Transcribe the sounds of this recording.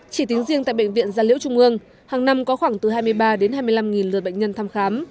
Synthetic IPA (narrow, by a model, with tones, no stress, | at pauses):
t͡ɕi˧˩t̪i˨˦ŋzi˧əŋt̪a̰˧˨jɓə̰˧˨ŋ̟vḭ˧˨ənzaː˨˧lḭ˧˥wt͡ɕʊ˧ŋ͡mʔɨ˧əŋ | haː˨˩ŋna˧mkɔ˨˦xwaː˧˩ŋt̪ɨ˨˩ɦaː˧jmɨ˧əjɓaː˧ɗe˨˦nhaː˧jmɨ˧əjla˧mŋi˨˩nlɨ˨˩t̚ɓə̰˧˨jŋ̟ɲə˧nt̪ʰaː˧mxaː˨˦m